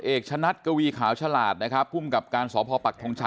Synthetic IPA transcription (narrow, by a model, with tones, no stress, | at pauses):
ʔeː˨˩k̚t͡ɕʰa˧na˦˥t̪̚ka˧wiː˧kʰaː˩˦wt͡ɕʰa˧laː˨˩t̪̚na˦˥kʰɾa˦˥pʰːuː˥˩mka˨˩p̚kaː˧nsɔː˩˦pʰɔː˧pa˨˩t̪ʰo˧ŋt͡ɕʰa˧˥